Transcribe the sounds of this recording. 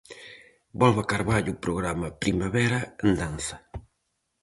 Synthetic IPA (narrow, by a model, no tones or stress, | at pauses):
bɔlβakaɾβaʎupɾoɣɾamɐpɾimaβɛɾaend̪anθɐ̥